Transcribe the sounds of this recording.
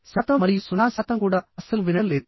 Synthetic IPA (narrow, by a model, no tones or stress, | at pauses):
sɐt̪ːɐmɐɾijsʊnaːsɐt̪ːɐmkuːɽɐɐsɐlʋɪnɐlːe